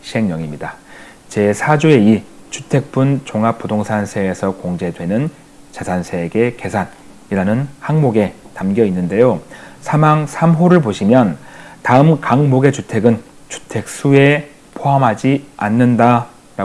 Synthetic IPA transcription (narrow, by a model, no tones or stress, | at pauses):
ɕʰiɦe̞ŋɲʌŋimɲida | t͡ɕe̞sʰad͡ʑue̞i | t͡ɕʰutʰe̞k̚p͈unt͡ɕoŋap͈udoŋsʰansʰe̞ːsʰʌkoŋd͡ʑe̞dwe̞nɯn | t͡ɕasʰansʰe̞ɡe̞ke̞sʰan | iɾanɯnhaŋmoɡe̞tamɡjʌinːɯnde̞josʰamaŋsʰamɦoɾɯɭpoɕʰimjʌntaɯmkaŋmoɡe̞t͡ɕutʰe̞ɡɯn | t͡ɕu̥tʰe̞k̚s͈ue̞ | pʰoɦamɦad͡ʑianːɯnda | ɾa